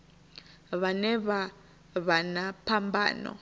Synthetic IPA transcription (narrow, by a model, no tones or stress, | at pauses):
βanɛβa | βanapʰamba̰ːnɔ̰